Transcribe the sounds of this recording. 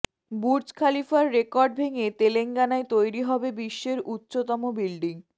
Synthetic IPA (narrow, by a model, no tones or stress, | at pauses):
buɾd͡ʑkʰalifaɾːekɔɾɖ̚bʱeŋet̪eleŋɡanaet̪ojɾiɦɔbebiʃːeɾutːɕot̪ɔmobilɖiŋ